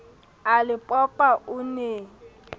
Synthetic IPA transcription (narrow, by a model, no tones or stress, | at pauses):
alɪpʼɔpaʔʊne